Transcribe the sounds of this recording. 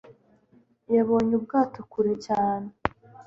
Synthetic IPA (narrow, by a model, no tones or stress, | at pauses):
jaβo̞ːɲub̚ɡaːtokuɾecaːne